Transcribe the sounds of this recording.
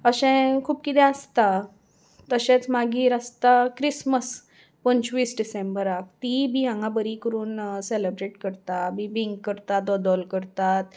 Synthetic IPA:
əɕɛ̃kʰuːp̚kit̪ɛ̃əst̪a | t̪əɕɛ̃t͡smaɡiːɾəst̪akɾisməs | pəɲt͡ɕʋiːsɖisẽmbəɾak̚t̪ibiãŋɡabəɾikəɾuːnselebɾeʈkəɾt̪abibiŋɡkəɾt̪at̪̚d̪ɔd̪ɔlkəɾt̪at̪̚

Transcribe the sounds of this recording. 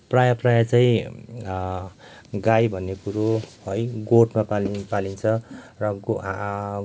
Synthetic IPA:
prajaprajat͡saĩ | ɡajbʱʌnːekuɾohojɡoʈmapaipalint͡sʰʌrʌ

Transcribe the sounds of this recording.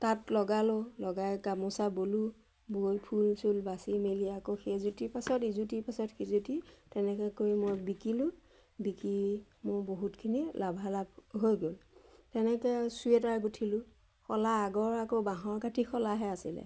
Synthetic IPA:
tatlɔɡalɔlɔɡajkamɔsabolu | bojpʰulsulbasimeliakoxezutipasɔtizutipasɔtxizutitɛnɛkɛkoɹimojbikilʊ | bikimʊboɦutkʰinilabʱalab̚ɦojɡoltɛnɛkɛsuɛtaɹɡutʰilʊ | xɔlaːɡɔɹakobaɦɔɹkatʰixɔlaɦɛasḭlɛ̰

